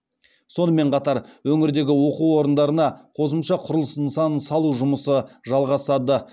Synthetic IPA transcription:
so̞nəme̞ɴqʰɑt̪ɑɾwɵŋɪɾd̪e̞ɡʲɪwo̞quwo̞ɾənd̪ɑɾənɑqʰo̞səmʃɑqʰʊɾlˠəsɪnsɑnəsɑlˠuʒʊməsəʒɑlˠʁɑsɑd̪ə

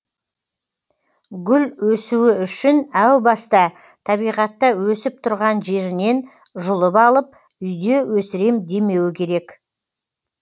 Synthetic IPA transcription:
ɡʲʏlwɵsuɪʏʃɪnæwbɑst̪ɑ | t̪ʰɑbijʁɑt̪ːɑwɵsɪp̚t̪ʰʊɾʁɑnʒe̞ɾɪne̞n | ʒʊlˠəpɑlˠəp̚ | ʏjd̪e̞wɵsɪɾe̞md̪e̞me̞wɪkʲʰe̞ɾe̞k

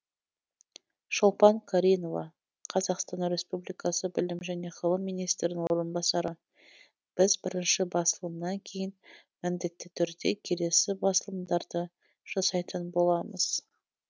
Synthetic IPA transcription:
ʃolˠpɑŋkʰaɾʲijno̞vɑ̰ | qʰɑzɑqst̪ɑnɾe̞spublijkɑsəbɪlɪmʒæne̞qʰəlˠəmːijnijst̪ɾɪnɪŋwo̞ɾənbɑsɑɾə | b̥ɪzbɪɾɪnʃɪbɑsəlˠəmnɑŋkʲʰe̞jɪn | mɪmd̪e̞t̪ːɪt̪ʰʏɾd̪e̞̰kʲʰe̞le̞sɪbɑsəlˠəmd̪ɑɾd̪ə | ʒ̥ɑsɑjt̪ənbo̞lˠɑməz̥

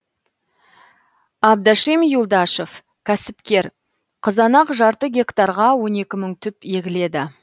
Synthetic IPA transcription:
ɑb̚d̪ɑʃimjulˠd̪ɑʃof | kʲʰæsɪpkʲe̞ɾ | qʰəzɑnɑqʒɑɾt̪əɡʲe̞kt̪ɑɾʁɑwo̞ne̞kʲɪməɴt̪ʰʏpe̞ɡʲɪle̞d̪ɪ

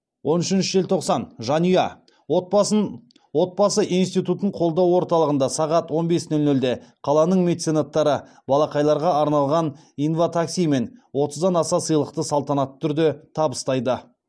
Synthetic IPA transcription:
wʔo̞nʏʃɪnʃɪʒelʲt̪ʰo̞qsɑnʒɑnujɑ̰ | wo̞t̪̚bɑsəʔinst̪ijt̪ut̪əɴqʰo̞lˠd̪ɑwwo̞ɾt̪ɑlˠəʁənd̪ɑsɑʁɑt̪wo̞nbe̞snɵlnɵld̪e̞qʰɑlˠɑnəɴme̞t̪senat̪ːɑɾə | bɑlˠɑqɑjlˠɑɾʁɑɑɾnɑlˠʁɑn | infot̪ʰaksijme̞nwo̞t̪əzd̪ɑnɑsɑsəjlˠəq̚t̪əsɑlˠt̪ɑnɑt̪ʰːʏɾd̪ɪt̪ʰɑbəst̪ɑjd̪ə

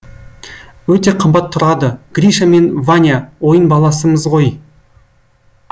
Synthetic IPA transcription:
wɵt̪e̞qʰəmbɑt̪ʰːʊɾɑd̪əɡ̥ɾʲiʃame̞nvanʲjawo̞jənbɑlˠɑsəməzʁo̞j

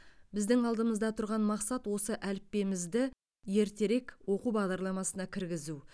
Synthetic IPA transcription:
bɪzd̪ɪŋɑlˠd̪əməzd̪ɑt̪ʰʊɾʁɑnmɑqsɑt̪wo̞səʔælɪpːe̞mɪzd̪ɪ | je̞ɾt̪e̞ɾe̞kwo̞qubɑʁd̪ɑɾlˠɑmɑsənɑkʲʰɪɾɡʲɪzu

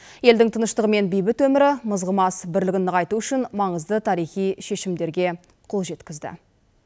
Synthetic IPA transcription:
je̞ld̪ɪŋt̪ʰənəʃt̪əʁəme̞nbijbɪt̪wɵmɪɾɪməzʁəmɑsbɪɾlɪɡʲɪnːəʁɑjt̪uʏʃɪnmɑɴəzd̪ət̪ʰɑɾijχijʃe̞ʃɪmd̪e̞ɾɡʲe̞ | qʰolˠʒe̞t̪kʲɪzd̪ɪ̰

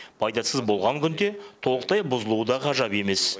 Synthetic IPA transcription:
b̥ʰɑjd̪ɑsəzbo̞lˠʁɑŋkʲʰʏnd̪e̞t̪ʰo̞lˠəq̚t̪ɑjbʊzəlˠud̪ɑqʰɑʒɑpe̞me̞s

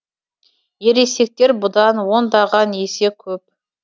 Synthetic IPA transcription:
je̞ɾe̞se̞k̚t̪e̞ɾbʊd̪ɑnwo̞nd̪ɑʁɑne̞se̞kʲʰɵp̚

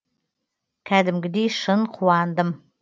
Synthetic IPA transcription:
kʰæd̪əmɡə̆d̪iʃənqʰuɑnd̪əm

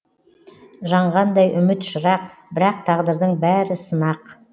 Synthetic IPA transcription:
ʒɑɴʁɑnd̪ɑjʔʏmɪt̪ʃəɾɑq̚bɪɾɑq̚t̪ʰɑʁd̪əɾd̪əɴbæɾɪsənɑq

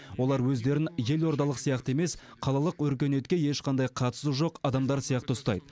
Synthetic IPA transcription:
wo̞lˠɑɾwɵzd̪e̞ɾɪnje̞lwo̞ɾd̪ɑlˠəqsijɑqt̪əe̞me̞sqʰɑlˠɑlˠəqwɵɾkʲe̞ne̞t̪̚kʲe̞je̞ʃqʰɑnd̪ɑjqʰɑt̪ə̥suʒo̞qɑd̪ɑmd̪ɑɾsijɑqt̪əʊst̪ɑ̰jd̪ə

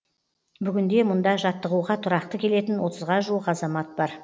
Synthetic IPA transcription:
bʏɡʲɪnd̪e̞mʊnd̪ɑʒɑt̪ːəʁuʁɑt̪ʰʊɾɑqt̪əkʲʰe̞le̞t̪ɪnwo̞t̪ʰəzʁɑʒuwəqɑzɑmɑt̪̚bɑɾ

